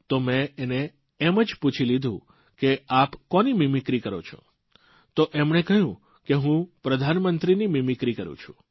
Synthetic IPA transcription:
t̪omẽːneː | məd͡ʒput͡ʃʰilid̪ʱṵ̃ | keapkɔnimimɪkɾikəɾo̰t͡ʃʰõ̰ | t̪oʔemɳekəjũ | keɦũpɾəd̪ʱanmənt̪ɾinimimɪkɾikəɾṵ̃t͡ʃʰũ̥̰

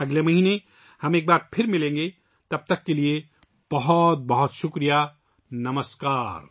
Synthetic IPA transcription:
ɐɡlemɐɦine | həmek̚baɾpʰeɾmilẽŋɡe | t̪ɐb̚t̪əkːelije | b̥ʌɦot̪̚bʌɦut̪sukɾija | nɐməskaːɾ

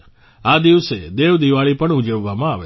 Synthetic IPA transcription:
ad̪iʋsed̪eʋd̪iʋaɭipəɳud͡ʒəʋːamãaʋe

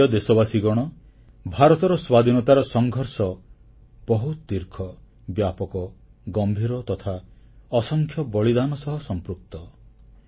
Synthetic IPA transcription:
ɔd̪esɔbasiɡɔɽ̃ɔ | bʱaɾɔt̪ɔɾɔswad̪ʱinɔt̪aɾɔsɔŋɡʱɔɾsɔ | b̥ɔɦut̪ɔd̪iɾkʰɔ | bjapɔkɔ | ɡɔmbʱiɾɔt̪ɔt̪ʰaɔsɔŋkʰjɔbɔɭid̪anɔsɔɦɔsɔmpɾuk̚t̪ɔ

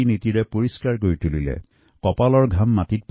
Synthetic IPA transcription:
initiɹɛpoɹiskaɹk̬oɹitulilɛ̰ | kɔpalɔɹɡʱamːatit̚p

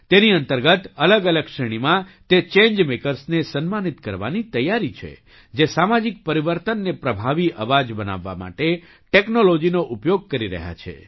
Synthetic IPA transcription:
t̪eniənt̪əɾɡət̪ələɡələɡʃəɽ̃imãt̪et͡ʃẽɲd͡ʒmekəɾsnesənmanit̪kəɾʋa̰nit̪əjːaɾit͡ʃʰḛ | d͡ʒesamad͡ʒik̚pəɾiʋəɾt̪ənːepɾəbʱaʋiʔəʋad͡ʒbəna̰ʋːa̰ma̰ʈe | ʈeknolod͡ʒinoʔupjoɡ̚kəɾiɾə̰ɦja̰t͡ʃʰḛ

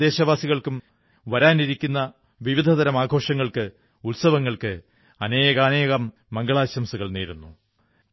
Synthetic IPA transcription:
e̞ːɕɐʋaːsiɣɐɭkum | ʋɐɾaːniɾikʲːunːɐ | ʋiʋid̪ʱɐðɐɾɐmaːɡʱo̞ːʂɐŋːɐɭkɨ | ulsɐʋɐŋːɐɭkɨ | ɐneːɣɐːneːɣɐmːɐŋɡɐɭaːɕɐmsuɣɐɭneːɾunːu

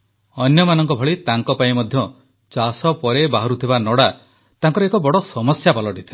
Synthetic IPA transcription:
ɔnjɔmanɔŋkɔbʱɔɭit̪aŋkɔpaĩmɔd̪ʱjɔ | t͡ʃasɔpɔɾebaɦɔɾut̪ʰibanɔɽa | t̪aŋkɔɾɔekɔbɔɽɔsɔmɔsjapalɔʈit̪ʰi

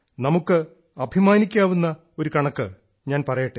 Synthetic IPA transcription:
nɐmukːɨ | ɐbʱimaːnikʲːaːʋunːɐ | o̞ɾukɐɳɐkːɨ | ɲaːnpɐrɐjiʈːe

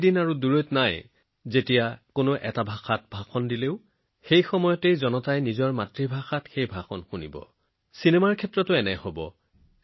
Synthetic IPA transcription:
dinaɹuduɹojtnaj | zetijakonʊʔɛ̰tabʱaxʰat̚bʱaxɔndileʊ | xejxɔmɔjɔtejzɔnɔtajnizɔɹmatɹibʱaxatxejbʱaxɔnxunḭbɔ̰ | sinemaɹkʰɛtɹɔtʊɛnɛ̰hobɔ̰

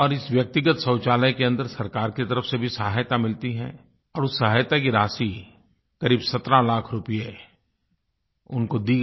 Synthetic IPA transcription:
ɔːɾɪsʋjək̚t̪ɪɡət̪sɐ̃ːʊt͡ʃaːləjkeɐ̃nd̪əɾsɐɾkaːɾkit̪ɐɾəfsebʱisɐɦajt̪amɪlt̪iɦɛ̰̃ | ɔːɾʊsːɐɦajt̪akiɾaːsi | kɐɾiːbsɐt̪ɾãlaːkʰɾʊpije | ʊnkod̪iː

